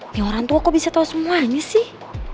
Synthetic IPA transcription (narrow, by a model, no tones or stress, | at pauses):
maɔɾaŋt̪uakɔbisat̪ausəmuaɲasih